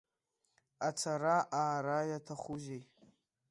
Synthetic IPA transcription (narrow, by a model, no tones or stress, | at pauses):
at͡sʰaɾaʔaːɾajatʰaχʷuzej